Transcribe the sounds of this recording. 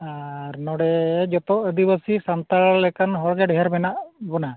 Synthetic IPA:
aɾnɔɽɛd͡ʒɔt̪ɔəd̪ibəsisamt̪aɾlɛkanɦɔɹɡɛɖɛɦaɾmɛnaʔbɔna

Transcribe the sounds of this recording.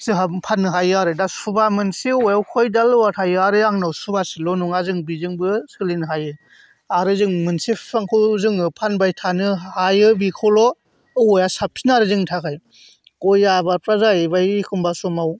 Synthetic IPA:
sɯɦapʰanːɯɦajɯaɾɯdasubamɯnsiɔjawkʰɔjdalɯwatʰajɯaɾɯaŋnawsubasilɔnuŋazɯŋbizɯŋbɯsɯlinɯɦajɯ | aɾɯzɯŋmɯnsipaŋkʰɯzɯŋɯpʰanbajtʰanɯhajɯbikʰɔwlɔ | ɯɔjasap̚sʰinaɾɯzɯŋtʰakʰaj | kɔjabapɾazaɯbajkʰɯmbasɔmaw

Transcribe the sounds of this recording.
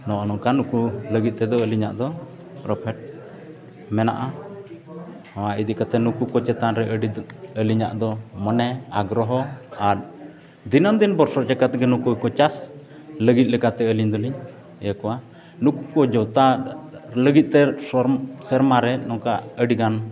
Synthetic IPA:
nɔʔɔnɔŋkanukuləɡit̪̚t̪ɛd̪ɔəliɲaʔd̪ɔ | pɾɔpʰɛʈ̚ | mɛna̰ʔa | waʔid̪iʔkat̪ɛnukukɔt͡ʃɛt̪anɾɛʔəɖiəliɲa̰ʔd̪ɔmɔnɛaɡɾɔɦɔaɾ | d̪inəmd̪inbɔɾsɔɾd͡ʒakat̪ɡɛnukukɔt͡ʃas | ləɡit̪̚lɛkat̪ɛəliɲd̪ɔliɲ | jakɔwa | nukukɔd͡ʒɔt̪a | ləɡit̪̚ˀt̪ɛsɔɾsɛɾmaɾɛnɔŋkaʔəɖiɡan

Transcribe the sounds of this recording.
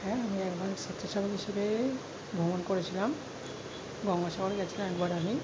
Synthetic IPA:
hɛ̃amiɛkbaɾset̪ʰːaʃabeɦiʃebe | bʱomonkoɾet͡ɕʰilam | ɡɔŋɡaʃaɡoɾeɡɛt͡ɕʰilamɛkbaɾami

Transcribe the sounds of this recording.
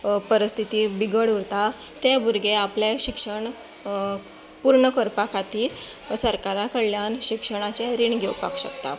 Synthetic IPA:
pəɾist̪ʰit̪iːbiɡəɽuɾt̪at̪ebuɾɡeapljeɕikʂəɳ | puɾɳəkəɾpakʰat̪iːɾsəɾkaɾakəɭlːjanɕikʂəɽ̃at͡ɕeɾiɳɡʱewpa̰kɕəkt̪a̰

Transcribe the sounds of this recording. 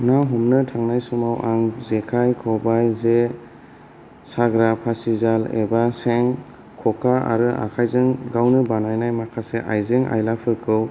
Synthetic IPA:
naɦɔmnɯtʰaŋnajsumawʔaŋzekʰajkʰɔbajze | saɡɾapʰasizalḛbaseŋ | kʰɔkʰaa̰ɾɯa̰kʰajzɯŋɡawnɯbanajnajmakʰaseʔajzeŋʔa̰jlapʰɯkʰɯw

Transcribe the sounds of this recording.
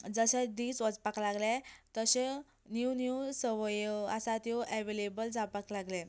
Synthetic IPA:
d͡zəɕɛ̃d̪iːt͡sʋəd͡zpaklaɡlẽt̪əɕe | njinuwsəʋəjəasat̪jɔʔɛʋelebəld͡zapaklaɡlɛ

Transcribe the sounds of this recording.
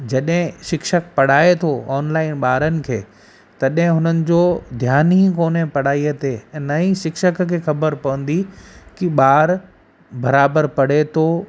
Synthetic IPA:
d͡ʑɐɗɦɪ̃ʃɪkʃək̚pɐɽ̤aːet̪ʰoɔːnlaːɪnɓaːɾənɪ̆kʰeː | t̪ɐɗɦɪ̃ɦʊnənɪ̆d͡ʑod̪ʱjaːnɦikoːnẽpɐɽ̤aːiət̪eɛ̃ːnɐĩʃɪkʃəkkʰeːxɐbəɾpɐʋə̃n̆d̪ikiɓaːɾ | bɐɾaːbəɾpɐɽ̤et̪ʰo

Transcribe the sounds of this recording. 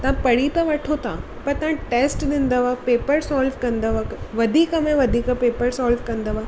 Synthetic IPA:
t̪ɐãpɐɽit̪ɐʋɐʈʰot̪ã | pɐɾt̪ɐãʈeːsʈɗɪ̃n̆d̪əʋapeːpəɾsaːlʋkɐ̃nd̪əʋɐʋɐd̪ʱiːkəmẽʋɐd̪ʱiːkəpeːpəɾsaːlʋkɐ̃nd̪əʋa

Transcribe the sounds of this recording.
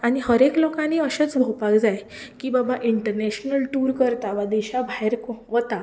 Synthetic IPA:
aɽ̃ihəɾeklɔkãniːəɕet͡sbʱopakd͡zaj | kiːbabaʔiɳʈəɾneɕnəlʈuɾkəɾt̪aʋad̪iɕabʱaɦeɾkʋət̪a

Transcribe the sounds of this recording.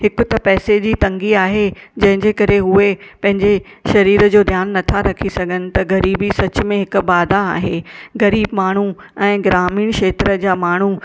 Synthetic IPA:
hɪkʊ̆t̪ɐpɛːsed͡ʑiːt̪ɐ̃ŋɡiaːɦed͡ʑɐ̃ɦɪ̃ɲd͡ʑekɐɾeɦuepɐ̃ɦɪ̃ɲd͡ʑe | ʃɐɾiːɾəd͡ʑoːd̪ʱjaːnːɐt̪ʰaɾɐkʰisɐɡʱənɪ̆t̪ɐɣɐɾiːbisɐt͡ɕʊ̆mẽɦɪkʊ̆baːd̪aa̰ːɦeɣɐɾiːbmaːɳ̤u | ɛ̃ːɡɪɾaːmiːɽ̃ʃeːt̪ɾəd͡ʑaːmaːɳ̤u

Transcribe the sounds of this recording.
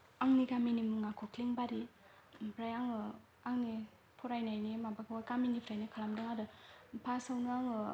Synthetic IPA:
aŋnikaminimɯŋakʰokʰliŋbaɾi | pʰɾajaŋɯ | aŋni | pʰɔɾajnajnimabakʰɯwakaminipʰɾajnikʰalamdɯŋadɯpʰasawnɯaŋɯ

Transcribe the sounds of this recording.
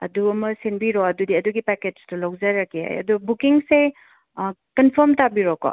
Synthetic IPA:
ɐ̰duɐmɐsinbiɾoɐdudiɐduɡipaked͡ʒtʰulɐwzaɾɐkia̰jɐ̰dubukiŋse | kɐnpʰɐɾmtabiɾɔkɔ̰

